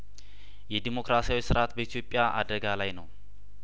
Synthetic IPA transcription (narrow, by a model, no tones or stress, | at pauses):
jɛd̪imo̞kɾasijawisɨɾat̪bəit̪ʰjo̞pʼːjaʔad̪əɡalajnəw